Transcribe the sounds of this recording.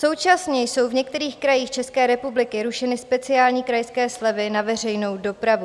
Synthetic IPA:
so̞wt͡ʃasɲɛjso̞wvɲɛk̚t̪ɛɾiːxkɾajiːxt͡ʃɛskɛːɾɛpublɪkɪɾuʃɛnɪspɛt͡sɪaːlɲiːkɾajskɛːslɛvɪnavɛr̝ɛjno̞wdo̞pɾavu

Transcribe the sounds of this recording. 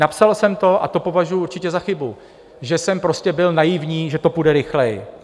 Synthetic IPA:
napsalsɛmt̪o̞ʔa̰t̪o̞po̞vaʒujuɾt͡ʃɪcɛzaxɪbu | ʒɛsɛmpɾo̞scɛbɪlnajɪvɲiːʒɛt̪o̞pudɛɾɪxlɛj

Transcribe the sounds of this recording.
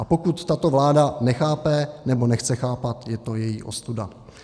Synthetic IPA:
ʔapo̞kut̪ːat̪o̞vlaːdanɛxaːpɛnɛbo̞nɛxt͡sɛxaːpat̪jɛt̪o̞jɛjḭːʔo̞st̪uda

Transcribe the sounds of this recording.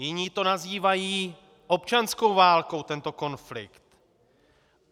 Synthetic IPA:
jɪɲiːt̪o̞naziːvajiː | ʔo̞p̚t͡ʃansko̞wvaːlko̞wt̪ɛnt̪o̞ko̞nflɪ̰kt̪

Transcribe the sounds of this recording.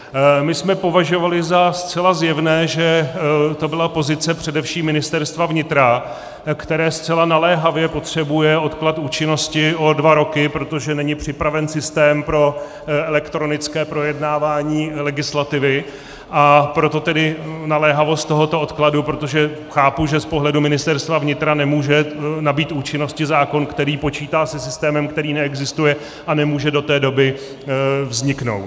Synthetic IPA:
mɪsmɛpo̞vaʒo̞valɪzast̪t͡sɛlazjɛvnɛːʒɛt̪o̞bɪlapo̞zɪt͡sɛpr̝̥ɛdɛfʃiːmːɪnɪst̪ɛɾst̪vavɲɪt̪ɾa | kt̪ɛɾɛːst͡sɛlanalɛːɦavjɛpo̞t̪r̝̥ɛbujɛo̞t̪klat̪uːt͡ʃɪno̞scɪʔo̞dvaɾo̞kɪpɾo̞t̪oʒɛnɛɲɪpr̝̥ɪpɾavɛnsɪst̪ɛːmpɾo̞ | ɛlɛkt̪ɾo̞nɪt͡skɛːpɾo̞jɛdnaːvaːɲiːlɛɡɪslat̪ɪvɪ | ʔapɾo̞t̪o̞t̪ɛdɪnalɛːɦavo̞st̪t̪o̞ɦo̞t̪o̞ʔot̪kladupɾo̞t̪o̞ʒɛxaːpuʒɛspo̞ɦlɛdumɪnɪst̪ɛɾst̪vavɲɪt̪ɾanɛmuːʒɛnabiːt̪uːt͡ʃɪno̞scɪzaːko̞nkt̪ɛɾiːpo̞t͡ʃiːt̪aːsɛsɪst̪ɛːmɛmkt̪ɛɾiːnɛɛɡzɪst̪ujɛ | ʔanɛmuːʒɛdo̞t̪ɛːdo̞bɪ | vzɲɪkno̞̰wt̪

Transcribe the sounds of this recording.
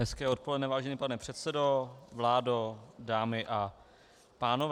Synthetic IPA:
ɦɛskɛːo̞t̪̚po̞lɛdnɛːvaːʒɛniːpanɛpr̝̥ɛt̪sɛdo̞vlaːdodaːmɪʔa | paːnov

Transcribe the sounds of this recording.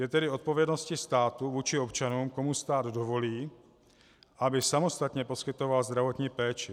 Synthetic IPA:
jɛt̪ɛdɪo̞t̪̚po̞vjɛdno̞scɪst̪aːt̪uvuːt͡ʃɪo̞pt͡ʃanuːmko̞must̪aːd̪do̞vo̞liː | ʔabɪsamost̪at̪ɲɛpo̞skɪt̪o̞valzd̪ɾavo̞t̪ɲiːpɛːt͡ʃɪ

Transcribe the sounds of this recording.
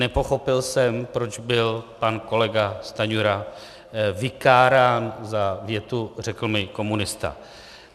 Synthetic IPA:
nɛpo̞xo̞pɪlsɛmpɾo̞d͡ʒbɪlpanko̞lɛɡast̪aɲuɾa | vɪkaːɾaːnzavjɛt̪ur̝ɛkl̩mɪko̞munɪst̪a̰

